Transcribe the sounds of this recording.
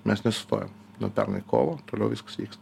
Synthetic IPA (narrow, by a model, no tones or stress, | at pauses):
mʲɛsnʲɛsʊ̥st̪o̰jɛ̰m | nopʲɛ̰ɾnɨjko̰lˠɔt̪ɔlʲoʊʋiskɐ̥sʋʲikst̪